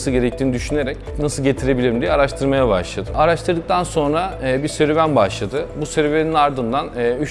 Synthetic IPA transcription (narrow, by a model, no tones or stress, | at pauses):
sɯɟe̞ɾɛc̚t̪ʰiːnid̪yʃyne̞ɾɛc | nasɯlˠɟet̪ʰiɾe̞bilʲiɾimd̪ijɛaɾaʃt̪ʰɯɾmajabaʃlˠad̪ɯaɾaʃt̪ɯɾd̪ɯk̚t̪ʰanso̞nɾabisøɾevænbaʃlˠad̪ɯbusøɾeveninaɾd̪ɯnd̪anːy